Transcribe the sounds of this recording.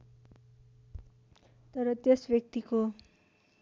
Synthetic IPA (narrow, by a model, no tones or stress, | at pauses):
t̪ʌɾʌt̪jesbjʌk̚t̪iko